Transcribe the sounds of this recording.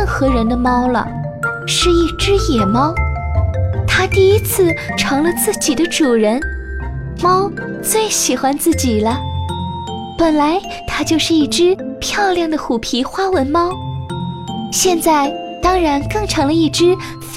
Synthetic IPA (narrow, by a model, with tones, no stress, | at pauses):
nxɤ˧˥ɻə˧˥nd̪ə˧mɑ˥ʊlə̰˨ | ʂɻ̩˥˧i˥˩ʈ͡ʂɻ̩˥jɛ˨˩mɑ˥ʊ | t̪ʰa˥t̪i˥˩i˥t͡sʰɹ̩˥˩ʈ͡ʂʰɤ˧˥ŋlə˧t͡sɹ̩˥˩t͡ɕi˨˩d̪ə˦ʈ͡ʂu˨˩ɻə˧˥n | mɑ˥ʊ | t͡swe˥˩ɪɕi˨˩xwa˧˥nt͡sɹ̩˥˩t͡ɕi˨˩lə˦ | pə˨˩nla˧˥ɪ | t̪ʰa˥t͡ɕjo˥˧ʊʂɻ̩˥˧i˥˩ʈ͡ʂɻ̩˥pʰjɑ˥˧ʊljɑ˥˩ŋd̪ə˩xu˨˩pʰi˧˥xwa˥wə˧˥nmɑ˥ʊ | ɕjɛ˥˧nt͡sa˥˩ɪ | t̪ɑ˥ŋɻa˧˥nkɤ˥˧ŋʈ͡ʂʰɤ˧˥ŋlə˧i˥˩ʈ͡ʂɻ̩˥